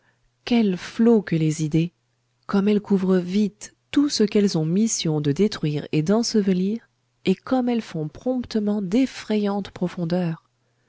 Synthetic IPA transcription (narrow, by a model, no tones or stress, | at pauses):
kʲɛlflokəlezid̪e | kɔmɛlkuvʁəvit̪ː | usəkɛlzɔ̃misjɔ̃d̪əd̪et̪χɥiʁed̪ɑ̃səvəliʁ | ekɔmɛlfɔ̃pχɔ̃pt̪əmɑ̃d̪efχɛjɑ̃t̪pχɔfɔ̃d̪œːʁ